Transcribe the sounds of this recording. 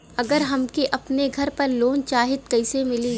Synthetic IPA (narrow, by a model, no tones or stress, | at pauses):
ɐɡəɾɦɐmkiʔɐpneɡʱɐɾpɐɾloːnt͡ʃaːɦɪt̪̚kɐɪsemɪli